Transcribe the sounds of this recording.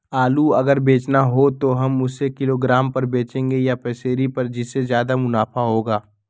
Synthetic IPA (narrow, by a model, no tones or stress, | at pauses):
aːluɐɡəɾbeːt͡ʃnaɦot̪oɦɐmʊsekɪloːɡɾaːmpɐɾbeːt͡ʃẽːŋɡejapɛːseːɾipɐɾd͡ʒɪsːezjaːd̪amʊnaːfʰaɦoːɡaː